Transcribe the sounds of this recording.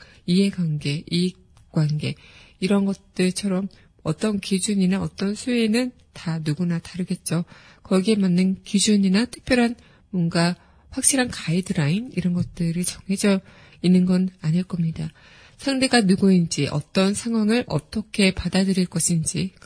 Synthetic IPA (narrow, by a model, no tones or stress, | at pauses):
ie̞ɡwanɡe̞ʔi | k͈wanɡe̞iɾʌnɡʌt̚t͈ɯɭt͡ɕʰʌɾʌm | ʌt͈ʌnkid͡ʑuɲinaʌt͈ʌnsʰuenɯn | tanuɡunataɾɯɡe̞t̚t͡ɕ͈o | kʌɡie̞manːɯnkid͡ʑuɲinatʰɯ̥k̚pʰjʌɾɦan | mwʌnɡa | ɸwak̚ɕ͈iɾɦankaidɯɾainiɾʌnɡʌt̚t͈ɯɾit͡ɕʌŋɦe̞d͡ʑʌ | inːɯnɡʌnaɲiɭk͈ʌmɲida | sʰaŋde̞ɡanuɡoind͡ʑiʔʌ̰t͈ʌnsʰaŋɦwaŋɯɭʔʌ̰t͈ʌkʰe̞padadɯɾiɭk͈ʌɕʰind͡ʑi